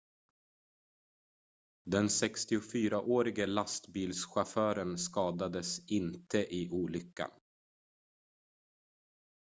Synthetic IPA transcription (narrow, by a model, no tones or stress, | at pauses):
d̪ɛnsɛkst̪ɪʊfyːɾaʔoːɾɪɡəlast̪biːlsɧafœːɾənskɑːd̪ad̪əsɪnt̪ʰəʔɪʔuːlʏkːa̰n